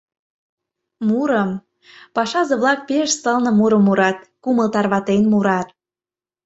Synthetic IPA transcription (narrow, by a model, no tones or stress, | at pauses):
muɾəm | pɑʃɑzɤ̆βlɑk̚peʃst̪ɤlnɤ̆muɾə̆mːuɾɑt̪̚kuməlt̪ɑrβɑt̪enmuɾɑt̪̚